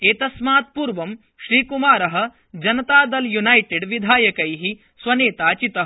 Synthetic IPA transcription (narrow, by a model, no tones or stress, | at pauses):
eːt̪ɐsmaːt̪̚puːɾʋɐm | ʃɾiːkumaːɾɐɦɐ̆ | d͡ʒɐnɐt̪aːd̪ɐljunajʈeɖʋid̪ʱaːjɐkɐjɦi | sʋɐneːt̪aːt͡ʃit̪ɐɦɐ